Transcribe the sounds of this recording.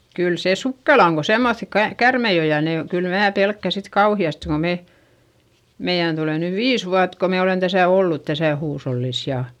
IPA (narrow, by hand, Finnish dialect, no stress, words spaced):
kyl seˑ sukːelɑ oŋ ko semːoθi kɑ kærmei o jɑ ne o kyl mæː pelkːæ sit kɑuhiɑste ko me meij̆æn tuleˑ nyʋ ʋiːs ʋuɑt ko me olen tæsæˑ olːut tæsæˑ huːsholːis jɑ